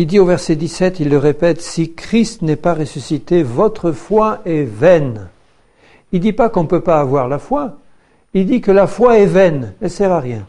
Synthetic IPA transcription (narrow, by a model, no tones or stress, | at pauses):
ild̪iovɛʁsɛd̪isɛt̪ilːəʁepɛt̪sikχist̪nɛpaʁesysit̪evɔt̪χəfwaɛvɛn | ild̪ipakɔ̃pøpaːvwaʁlafwa | ild̪ikəlafwaɛvɛnnəsɛʁaʁjɛ̃